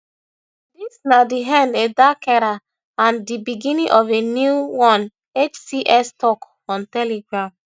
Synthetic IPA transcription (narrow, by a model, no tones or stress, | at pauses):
disnadiɦɛ̃ndedakɛɾa | ãndibiɡĩnĩŋʔɔvenjuwɔ̃n | et͡ʃsiʔɛstɔk | ɔ̃ntɛleɡɹãm